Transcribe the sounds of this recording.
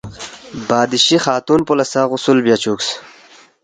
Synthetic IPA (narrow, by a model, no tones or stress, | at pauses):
baːd̪iɕixaːt̪uːnpolɐsaːʁʊsulbjaːt͡ɕuːks